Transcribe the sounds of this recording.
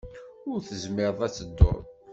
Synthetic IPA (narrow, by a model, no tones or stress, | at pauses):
ʊɾθəzmɪɾðˤæt͡sːəd̪ːo̰ɾð